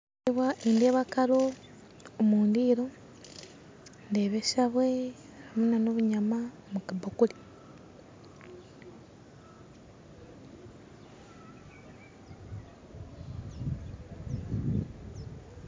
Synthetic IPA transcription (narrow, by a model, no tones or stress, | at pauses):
βwaindeβakaɾoː | muːndiːɾo | ndeːβeʃaβwe̞ | amunanoβuɲama | mukabokuli